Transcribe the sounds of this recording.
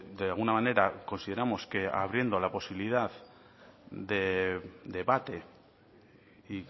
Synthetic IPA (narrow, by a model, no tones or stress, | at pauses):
d̪ealɣunamane̞ɾako̞nsiðe̞ɾamo̞ske̞a̰β̞ɾje̞nd̪o̞lapo̞siβilið̞að | d̪e̞d̪e̞βat̪e̞ | i